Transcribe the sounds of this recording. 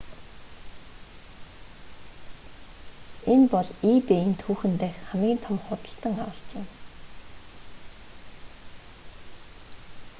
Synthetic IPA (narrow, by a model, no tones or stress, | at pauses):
enpɔɮiːpeint̪ʰuːxɘ̆nt̪æːxχamiːnt̪ʰɔmχʊt̪ə̆ɬt̪ə̆ŋawə̆ɬt͡ɕ̪ɪ̆m